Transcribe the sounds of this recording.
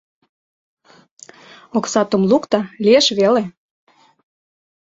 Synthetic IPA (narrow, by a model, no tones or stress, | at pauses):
oksɑt̪ŏmlukt̪ɑlʲieʃβele